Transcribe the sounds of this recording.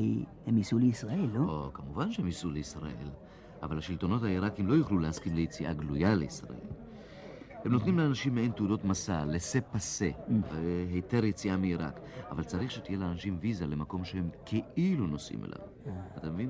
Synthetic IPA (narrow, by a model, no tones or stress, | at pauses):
jhemisuleisʁaelːookamuvanʃehemisuleisʁa̰ʔe̞̰l | ʔavalhaʃilto̞no̞thaiʁakimlo̞juχlulehaskimlejet͡siʔaɡlujaleisʁa̰ʔe̞̰l | hemnotnimleanaʃimːeenteudo̞tmasalːese̞pase̞veheteʁjet͡siʔamiiʁa̰k | avalt͡saʁiχʃet̪ije̞leanaʃimvizale̞mako̞mʃehe̞mkʰeʔiluno̞sʔḭmḛlʔa̰v | at̪amevin